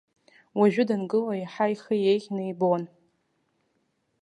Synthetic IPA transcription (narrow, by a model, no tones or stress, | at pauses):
waʒᶣʊdanɡɨlaiħajχəjejχʲnɨjbon